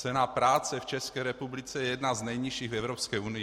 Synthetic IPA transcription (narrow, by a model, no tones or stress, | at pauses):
t͡sɛnapɾaːt͡sɛft͡ʃɛskɛːɾɛpublit͡sɛjɛjɛd̪naznɛjɲiʃiːɣvɛvɾopskɛunɪ